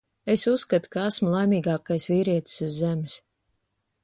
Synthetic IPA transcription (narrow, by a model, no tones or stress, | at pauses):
esusːkat̪u̥kaasmulˠajmiːɡɑːkajsviːɾiɛt̪i̥suzːemɪs